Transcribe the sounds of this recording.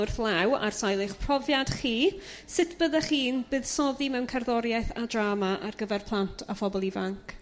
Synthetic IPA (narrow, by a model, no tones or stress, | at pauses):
ʊrθlˠawa̰rsajlˠɪχpʰr̥ɔvjad̥χiːsɪtʰb̥əðaχiːnbɨːðsɔðimɛwnkʰarðɔɾjajθadraːmaʔarɡəvɛrpʰlˠantʰafɔbɔlˠivaŋkʰ